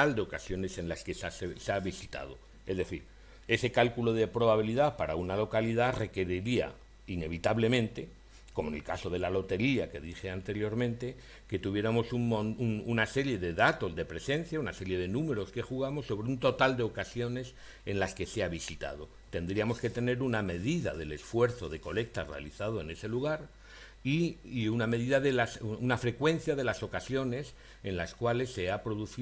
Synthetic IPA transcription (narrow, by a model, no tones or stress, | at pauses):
ald̪e̞o̞kasjo̞ne̞se̞nlaskesasseaβisit̪a̰ð̞o̞ | e̞zðe̞θḭɾ | e̞se̞kalkulo̞ð̞e̞pɾo̞βaβ̞iliðapaɾaunalo̞kaliðare̞ke̞ɾiɾia̰ | ine̞β̞it̪aβle̞mẽ̞nt̪e̞ | ko̞mone̞lkaso̞ð̞e̞lalo̞t̪e̞ɾiake̞ð̞ixe̞ant̪e̞ɾjo̞ɾmẽnt̪e̞ | ke̞t̪uβje̞ɾamo̞suŋmonununase̞ɾje̞ðe̞ðat̪o̞zðe̞pɾe̞sẽ̞n̟θjaunase̞ɾje̞ðe̞nũme̞ɾo̞ske̞xuɣ̞amosːo̞β̞ɾeunt̪o̞t̪ald̪e̞o̞kasjo̞ne̞s | e̞nlaske̞seaβisit̪a̰ð̞o̞ | t̪e̞nd̪ɾiamo̞ske̞t̪e̞ne̞ɾuname̞ðiða̰ðe̞le̞sfwe̞ɾθo̞ðe̞ko̞le̞k̚t̪are̞̰a̰liθað̞o̞e̞ne̞se̞luɣaɾ | iunameðiðaðelasunafɾe̞kwe̞nθjaðe̞laso̞kasjo̞ne̞s | e̞nlaskwale̞sːe̞apɾo̞ðuθi